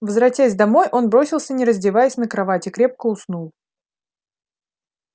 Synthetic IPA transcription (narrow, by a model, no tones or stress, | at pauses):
vəzɾɐtʲasʲd̪ɐmo̞jʔo̞nbɾo̞sʲɪlˠsʲənʲɪɾəzʲdʲɪvajɪsʲnəkɾɐvatʲɪkɾʲe̞p̚kəʊsnulˠ